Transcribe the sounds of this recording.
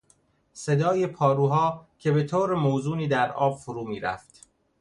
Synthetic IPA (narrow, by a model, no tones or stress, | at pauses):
se̞d̪ɒːjepʰɒːɾuːɦɒːcʲʰe̞be̞t̪ʰoːɾemoːzuːniːd̪æɾʔɒːb̥foɾuːmiːɾæ̰ft̪